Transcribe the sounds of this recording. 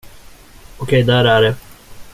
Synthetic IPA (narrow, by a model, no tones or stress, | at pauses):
ɔkʰɛjd̪æɾæɖɛ